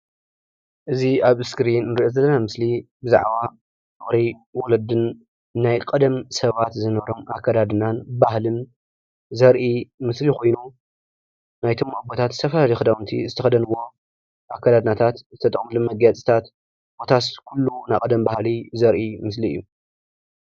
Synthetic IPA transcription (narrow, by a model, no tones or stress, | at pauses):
ʔɨziaβɨskɾinːɨɾiʔozɐlːɐnamɨslibɨza̰ʕβa | mɨxɾejwɔlɐd̪ɨnː | ajkʼɐd̪ɐmsɐβat̪zɨnɐβɾomakʰːad̪ad̪ɨnanbahlɨn | zɐɾʔimɨslikʰo̞jnu | najt̪ʰomabot̪ʰat̪zɨ̥t̪ʰɐfɐlalijxɨd̪awnt̪ʰḭzɨt̪ʰɐxɐd̪ɐnwːo̞ | ʔakʰːad̪ad̪ɨnat̪ʰat̪zɨt̪ʰɐt̪ʼɐ̰kʼmɨlomɐɡjat͡sʼi̥t̪ʰat̪ | bo̞t̪ʰaskʰulːunajkʼɐd̪ɐmbahlizɐɾʔimɨsliɨ̰jːu